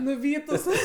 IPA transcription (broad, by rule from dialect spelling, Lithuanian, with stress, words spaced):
nʊˈʋʲiːtʊs